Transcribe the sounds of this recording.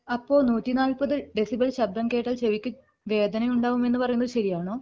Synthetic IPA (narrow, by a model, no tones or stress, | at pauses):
ɐpːo̞ːnuːtːinaːlpɐðɨɖe̞sibɐlɕɐb̚d̪ɐmke̞ːʈːɐlt͡ɕeʋikʲːu | ʋe̞ːd̪ʱɐnɐjuɳɖaːʋume̞nːɨpɐrɐjunːɐðɨɕɐɾijaːɳoː